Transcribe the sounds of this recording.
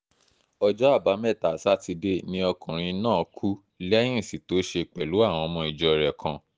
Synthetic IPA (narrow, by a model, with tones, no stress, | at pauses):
ɔ˧d͡ʒɔ˦a˦˨ba˨˦mɛ˦˨ta˨sa˦ti˧de˦nĩ˦ɔ˧kʰũ˨ɾ̃ĩ˧nãː˦˨kʰu˦ | lɛ̃˦ĩ˦˨si˨to˨˦ʃe˧k͡pɛ˨lu˨˦a˦˨w̃ɔ̃˧ɔ˧mɔ̃˧i˧˨d͡ʒɔ˧˨ɾɛ˨kʰã˧